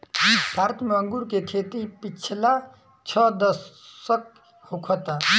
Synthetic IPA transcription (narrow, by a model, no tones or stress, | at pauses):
bʱaːɾət̪meə̃ŋɡuɾkekʰeːt̪ipɪt͡ʃʰla | t͡ʃʰɔd̪əsək̚ | hokʰɔt̪a